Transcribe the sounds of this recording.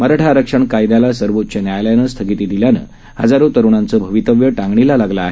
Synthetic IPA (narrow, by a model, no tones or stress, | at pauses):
məɾaʈʰaːɾəkʂəɳkajd̪jalasəɾʋot̪̚t͡ɕənjajljanəst̪ʰəɡit̪iːd̪iljanə̰ː | hə̰d͡zaɾot̪əɾuɳant͡səːbʱəʋit̪əʋjəʈãŋɡɳilalaɡlaaɦe